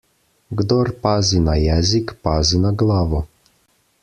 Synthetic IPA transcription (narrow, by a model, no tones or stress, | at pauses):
ɡd̪ɔɾpaːzinajɛːzikpaːzinaɡlaːʋɔ